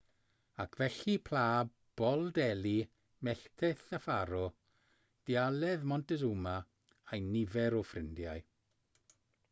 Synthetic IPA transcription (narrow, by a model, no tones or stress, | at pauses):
akʰvɛɬipʰlˠaː | b̥ɔlˠdɛli | mɛɬtʰɛθəfaɾɔ | d̥ialɛðmɔntɛzuma | ajnɪvɛɾɔfrɪndjaj